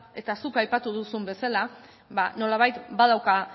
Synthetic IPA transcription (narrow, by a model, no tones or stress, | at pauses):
e̞t̪asukajpat̪uðusumbe̞sala | bano̞laβ̞ajt̪baðawka